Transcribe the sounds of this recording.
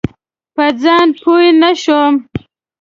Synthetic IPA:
pəd͡zɑːnpʰujnaʃom

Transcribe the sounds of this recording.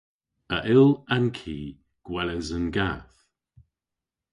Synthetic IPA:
əʔɪlˠankʰiː | ɡ̥wɛləzənɡaθ

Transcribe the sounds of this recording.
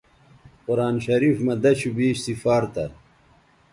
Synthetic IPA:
quɾaːnɕɐɾiːfmɐd̪ɐɕubiːɕsifaːɾt̪ɐ̰

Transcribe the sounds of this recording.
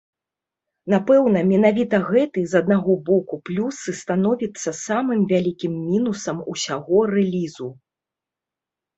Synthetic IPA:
napɛwn̪ɐmʲɛnavʲit̪ɐɣɛt̪ɨzɐd̪naɣɔbɔkuplʲusɨst̪anɔvʲit̪sːɐsamɨmvʲalʲikʲimːʲinusɐmusʲaɣɔrɛlʲizu

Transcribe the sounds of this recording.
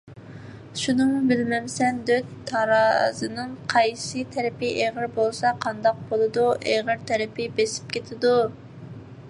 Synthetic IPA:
ʃunɨŋbɪlmɛmsɛnd̪øt̪ʰːɑɾɑzɨnɨŋqʰɑjsɨt̪ʰɛɾɪpɪʔeʁəɾbolˠsɑqʰɑnd̪ɑq̚bolˠɨd̪uʔeʁəɾt̪ʰɛɾɪpʰɪbesɪ̥p̚kʲʰet̪ʰɪd̪u

